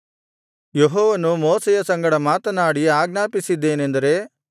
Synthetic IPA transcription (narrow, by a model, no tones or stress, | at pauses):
jeɦɔːʋɐnumoːsɛjɐsɐŋɡɐɽɐmaːt̪ɐnaːɽiaːɡnaːpisid̪ːe̞ːnend̪ɐɾe̞